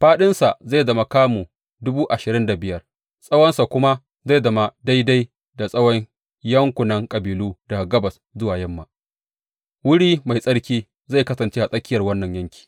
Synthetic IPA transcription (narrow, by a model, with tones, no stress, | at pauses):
ɸaː˦ɗɪ˦nsa˨ʔza˦˨zɐ˨mɐ˨kaː˦muː˨ | dʊ˦buː˦ʔa˨ʃɪ˨ɾɪ˦nda˨bɪ˦jɐ˨r | sʼɐ˦wɔ˦nsa˨kʷʊ˦ma˦ | za˦˨zɐ˨ma˨da˦jda˦j | da˨sʼɐ˦wɔ˦ɲ | jɐ˦ŋkʷʊ˨nɐ˦ŋkʼɐ˨biː˨luː˦da˨ɡɐ˦bɐ˨s | zʊ˦waː˨jɐ˦mːa˨ | wʊ˦ɽiː˦ma˨jsʼɐ˦ɽkʲiː˦ | za˦˨jkɐ˦sɐ˨nt͡ʃe˦ha˨sʼɐ˦kʲːɪ˦jɐ˨rwɐ˦nːɐ˨ɲjɐ˦ŋkʲʰi̥ː˨